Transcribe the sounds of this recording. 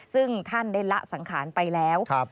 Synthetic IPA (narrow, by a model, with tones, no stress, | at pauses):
sɯ˥˩ŋt̪ʰa˥˩ndaː˥˩jla˦˥ʔsa˩˦ŋkʰaː˩˦npa˧jlɛː˦˥wk